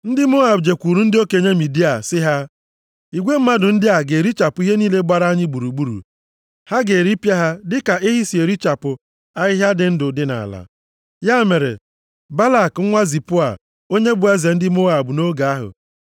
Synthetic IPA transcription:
n̩˦dɪ˦mo˦a˨bd͡ʒe˨kʷu˨ɾu˦n̩˦dɪ˦o˦ke˨ɲe˦mi˨di˦a˨sɪ˦ɦa˦ | i˨ɡʷe˦m̩˦ma˦dʊ˨n̩˦dɪ˦a˨ɡe˨ɾi˦t͡ʃa˨pʊ˨˦i˦ɦe˦niː˦le˦ɡ͡ba˦ɾa˦ɲɪ˦ɡ͡bu˨ɾu˨ɡ͡bu˦ɾṵ˨ | ha˦ɡe˨ɾi˦pja˦ɦa˦dɪ˦ka˨ʔɪ˦ɦi˦si˨e˨ɾi˦t͡ʃa˨pʊ˨ | a˦ɦɪ˦ɦja˦dɪ˨n̩˦dʊ˨dɪ˦na̰˨a̰˨la̰˨ | ja˦me˨ɾḛ˨ | ba˦la˨kŋ̩˦ŋʷa˦zi˨pʊ˦a̰˨ | o˦ɲe˦bʊ˨˦a˦ze˨n̩˦dɪ˦mo˦a˨bʊ˨no˦ɡa˨a˦ɦʊ̰˨

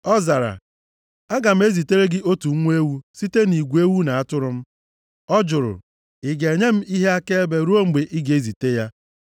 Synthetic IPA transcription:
ɔ˦za˨ɾa̰˨ | a˦ɡa˨m̩˦e˦zi˨te˦ɾe˦ɡɪ˦ʔo˦tu˨˦ŋʷ˦e˦wu˦si˦te˦ni˨ɡʷu˨e˦wu˦na˨a˦tʊ˦ɾʊ˦m̩˦ | ɔ˦d͡ʒʊ˨ɾʊ̰˨ | ɪ˨ɡe˨ɲe˦m̩˦i˦ɦe˦a˦ke˦e˦be˦ɾu˦o˦ŋ͡m̩˦ɡ͡be˨ʔi˦ɡe˦zi˨te˦ja˦

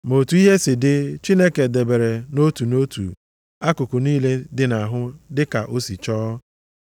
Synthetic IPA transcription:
mo˨tu˨˦i˦ɦe˦sɪ˨dɪ˦t͡ʃi˦ne˦ke˨de˨be˨ɾe˨no˦tu˨no˦tṵ˨ | a˦kʊ˨kʊ˨niː˦le˦dɪ˨na˨ɦʊ˦dɪ˦ka˨ʔo˦si˨t͡ʃɔː˦

